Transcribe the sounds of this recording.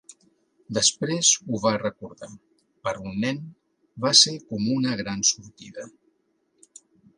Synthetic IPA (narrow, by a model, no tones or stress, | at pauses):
d̪əspɾezuβarəkuɾða | pəɾunːɛn | βasekɔmunəɣɾansuɾt̪iðə